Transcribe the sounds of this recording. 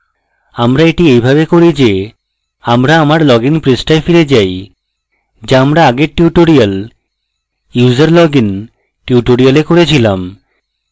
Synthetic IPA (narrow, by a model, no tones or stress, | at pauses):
amɾaeʈiejbʱabekoɾid͡ʑe | amɾaamaɾlɔɡinpɾesʈaefiɾed͡ʑaj | d͡ʑaamɾaaɡeɾʈːuʈoɾial | jud͡ʑaɾlɔɡin | ʈiuʈoɾijalekoɾet͡ɕʰilam